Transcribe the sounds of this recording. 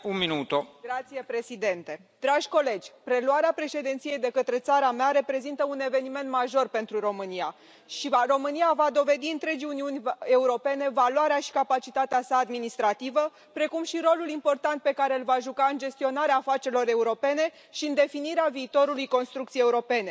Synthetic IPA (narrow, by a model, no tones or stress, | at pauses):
unminut̪oɡɾat̪sije̞pɾe̞sid̪e̞nt̪e̞d̪ɾaʒʲko̞le̞d͡ʒʲpɾe̞luaɾeapɾe̞ʃe̞d̪int̪sije̞jd̪e̞kət̪ɾe̞t̪saɾameaɾe̞pɾe̞zint̪əune̞ve̞nime̞nt̪maʒo̞rpe̞nt̪ɾuɾo̞mɨnia | ʃivaro̞mɨniavad̪o̞ve̞d̪iɨnt̪ɾe̞d͡ʒiuniunʲe̞uɾo̞pe̞ne̞valwaɾeaʃi̥kapat͡ʃit̪at̪easaːd̪minist̪ɾat̪ivə | pɾe̞kumʃiɾo̞lulimpo̞rt̪ant̪̚pe̞kaɾe̞ɨlvaʒukaɨnd͡ʒe̞st̪io̞naɾeaːfat͡ʃelo̞ɾe̞uɾo̞pe̞ne̞ | ʃiɨnd̪e̞finiɾeaviːt̪o̞ɾulujko̞nst̪ɾukt̪sijeuɾo̞pe̞ne̞